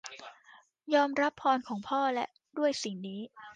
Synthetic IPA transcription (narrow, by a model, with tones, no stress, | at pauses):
jɔː˧mɾa˦˥pʰːɔː˧nkʰɔː˩˦ŋpʰɔː˥˩lɛ̰˦˥ʔ | du˥˩əjsi˨˩ŋniː˦˥